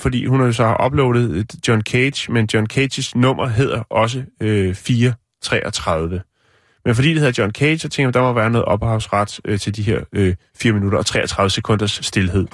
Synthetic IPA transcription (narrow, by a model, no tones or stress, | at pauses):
fɒdḭːhunhɑ̈jo̝sɒ̽hɑ̈ʔɒ̽b̥lɔʊɾ̥ð̩ˠd̥jɒnkʰed̥ɕmend̥jɒnkʰe̥ɕsnɔ̽m̰ɐɦe̝ð̞̰ˠɐʔɒ̽s̬əøfiːɐ | t͡sʰʁɛ̰ːʔɒt͡sʰʁɑð̞ˠʋə | menfɒd̥ḭːd̥eheðˠdjɒ̽nkʰe̥sɒt͡sʰeŋɡ̥jmd̥ɑ̈mɒʋæːɐnɔ̽ːð̩ˠʔɒ̽b̥hɑ̈ʊsʁɑ̈d̥t͡sʰe̝ld̥iɦe̝ɐ̰ø | fiːɐminuɾɐɒ̽t͡sʰʁɛ̰ːɐt͡sʰʁɑ̈ð̞ˠʋəsekʰɔ̽n̰d̥ɐsːd̥e̝lɦe̝ð̰ˠ